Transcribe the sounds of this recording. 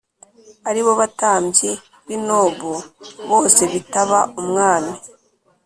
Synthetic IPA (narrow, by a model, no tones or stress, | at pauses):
aɾiβo̞βataːmje | βinoːβuβo̞ːse̞βitaβaumŋaːmi